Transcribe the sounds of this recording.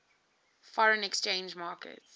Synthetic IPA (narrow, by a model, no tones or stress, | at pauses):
fɔɹə̃nɛkst͡ʃẽːnd͡ʒmɑːkə̰ts